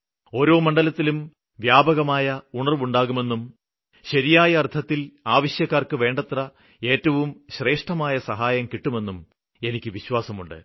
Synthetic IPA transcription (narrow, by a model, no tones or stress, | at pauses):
o̞ːɾo̞ːmɐɳɖɐlɐt̪ːilum | ʋjaːbɐɣɐmaːjɐuɳɐrʋuɳɖaːɣume̞nːum | ɕɐɾijaːjɐɐrt̪ʰɐt̪ːilaːʋɐɕjɐkːaːrkɨʋe̞ːɳɖɐt̪rɐ | e̞ːtːɐʋumɕre̞ːʂʈɐmaːjɐsɐɦaːjɐmkiʈːume̞nːum | e̞nikʲːɨʋiɕwaːsɐmuɳɖɨ̰